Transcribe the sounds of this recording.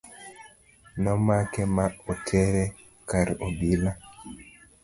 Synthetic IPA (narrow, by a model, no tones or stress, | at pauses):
nɔmakɛmaɔtʰɛɾɛ | kaɾobila